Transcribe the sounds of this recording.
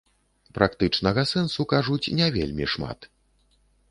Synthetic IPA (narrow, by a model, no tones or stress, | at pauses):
pɾʔakt̪ɨt͡ʂnɐɣɐsɛnsukaʐut͡sʲnʲɛvʲḛlʲmʲḭʂma̰t̪